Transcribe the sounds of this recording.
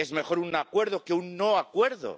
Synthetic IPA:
e̞zme̞xo̞ɾunakwe̞ɾðo̞keunːoakwe̞ɾðo̰

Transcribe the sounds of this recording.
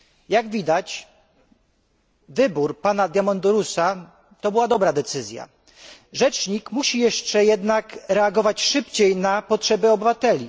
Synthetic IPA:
jaɡvʲid̪at͡ɕ | vɘbuɾpanad̪ʲjamɔnd̪uɾusa | t̪ɔbɘwad̪ɔbɾad̪ɛt̪sɘzʲja̰ | ʐɛt͡ʂɲikmuɕijɛʂt͡ʂɛjɛd̪nakɾɛaɡɔvat͡ɕʂɘpt͡ɕejnapɔtʂɛbɛɔbɘvat̪ɛlʲi

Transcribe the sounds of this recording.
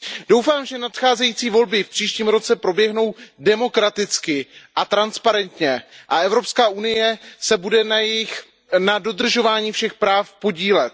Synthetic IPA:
d̥o̞wfaːmʒɛnat̪xaːzɛjiːt͡siːvo̞lbɪfpr̥iːʃciːmɾo̞t͡sɛpɾo̞bjɛɦno̞wdɛmo̞kɾat̪ɪt͡skɪʔat̪ɾanspaɾɛnt̪ɲɛʔaɛvɾo̞pskaːʔunɪjɛsɛbudɛnjɛɪx | nado̞d̪r̩ʒo̞vaːɲiːfʃɛxpɾaːfpo̞ɟiːlɛt̪̚

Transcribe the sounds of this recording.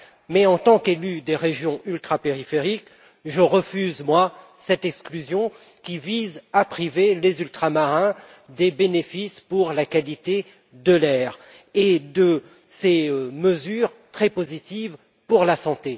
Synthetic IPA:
mɛɑ̃t̪ɑ̃kelyd̪eʁeʒjɔ̃ylt̪χapeʁifeʁik | ʒəʁəfyzmwa | sɛt̪ɛksklyzjɔ̃ | kʲivizapχivelezylt̪χamaʁɛ̃ | d̪ebenefispuʁlakalit̪e | d̪əlɛʁ | ed̪ə | seməzyʁt̪χɛpozit̪iv | puʁlasɑ̃t̪e

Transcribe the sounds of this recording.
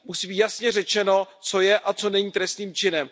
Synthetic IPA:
musibiːjasɲɛrɛt͡ʃɛno̞ | t͡so̞jɛʔat͡so̞nɛɲiːt̪ɾɛst̪niːmt͡ʃɪnɛm

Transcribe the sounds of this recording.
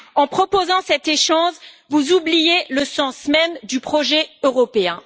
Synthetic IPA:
ɑ̃pχɔpozɑ̃sɛt̪eʃɑ̃svuzublijeləsɑ̃smɛmd̪ypχɔʒɛøʁɔpeɛ̃

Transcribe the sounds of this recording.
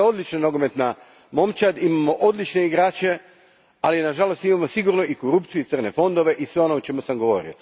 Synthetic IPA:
o̞d̪lit͡ʃnanoɡome̞t̪na | mo̞mt͡ʃad̪imamoʔo̞d̪lit͡ʃne̞iɡɾaːt͡ʃe̞ | alinaʒalost̪imamosiɡuɾnoikoɾupt̪sijuit̪srne̞fo̞nd̪o̞ʋe̞ʔisʋe̞o̞noot͡ʃe̞musamɡo̞ʋo̞̰ɾḭo

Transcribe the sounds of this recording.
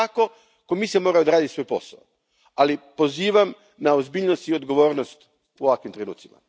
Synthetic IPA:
ako̞ | komisemo̞ːɾajod̪aɾaːd̪isʋo̞jpo̞̰sa̰o | alipo̞ziːʋam | naozbiːʎnost̪iod̪ɡo̞ʋo̞ːɾnost̪ | uoʋakʋimt̪ɾe̞nṵːt̪simʔa̰

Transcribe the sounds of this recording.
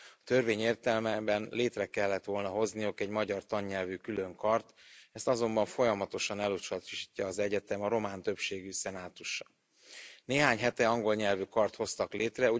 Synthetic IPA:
ɒt̪ø̞rveːɲeːrt̪ɛlmɛbɛnleːt̪rɛkɛlːɛt̪ʋo̞lnɒɦo̞znijukɛɟmɒɟɒrt̪ɒɲːɛlvykylø̞ŋkɒrt̪ɛst̪ɒzo̞mbɒɱfo̞jɒmɒt̪o̞ʃɒnɛlut͡ʃɒt̪iʃicːɒːzɛɟɛt̪ɛmɒɾo̞maːnt̪ø̞pʃeːɡysɛnaːt̪uʃːɒ̥ | neːɦaːɲɦɛt̪ɛɒŋɡo̞lɲɛlvykɒrt̪ho̞st̪ɒklʔeːt̪rɛu

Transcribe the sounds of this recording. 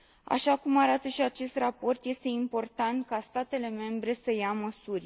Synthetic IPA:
a̰ʃakumaɾat̪əʃiat͡ʃe̞st̪rapo̞rt̪je̞st̪e̞impo̞rt̪ant̪̚kast̪at̪e̞le̞me̞mbɾe̞səjaməsurʲ

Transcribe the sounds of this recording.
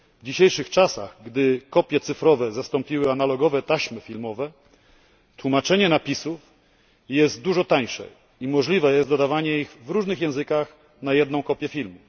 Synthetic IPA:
vd͡ʑiɕejʂɘxt͡ʂasa̰ɣɡd̪ɘkɔpʲjɛt̪sɘfɾɔvɛzast̪ɔmpʲiwɘanalɔɡɔvɛt̪aɕmɘfʲilmɔvɛ | t̪wumat͡ʂɛɲɛnapʲisuf | jɛst̪̚d̪uʐɔt̪aɲʂɛ̰ | imɔʐlʲivɛjɛst̪d̪ɔd̪avaɲɛiɣvɾuʐnɘxjɛ̃w̃zɘkax | najɛd̪nɔ̃w̃kɔpʲjɛfʲilmu

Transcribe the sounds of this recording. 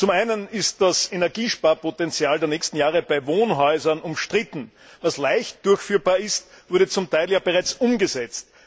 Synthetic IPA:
t͡sʊmaɪnənɪstd̥asenɛɐɡiːʃpaɐpotɛnt͡sjaːldeːɐnɛːçstn̩jaːʁəb̥æɪvoːnɦɔʏzɐnʊmʃtʁ̥ɪtn̩ | vaslæɪçtd̥ʊɐçfyːɐbaːɐɪst | v̥ʊɐɾət͡sʊmtʰaɪljaːbəʁaɪt͡sʔʊmɡəzɛt͡st̚

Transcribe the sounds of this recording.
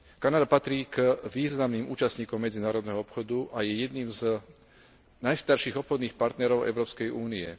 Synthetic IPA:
kanad̪apat̪ɾiːkʋiːznamniːmṵːt͡ʃast̪ɲiːkɔmːɛd͡zinaːɾɔd̪nɛɦɔɔpxɔd̪uʔajɛjɛd̪niːmz | najst̪aɾʃiɣɔpxɔd̪niːxpaɾt̪nɛɾɔʊʔɛ̰ʊɾɔːpskɛjʔuːniɛ̰

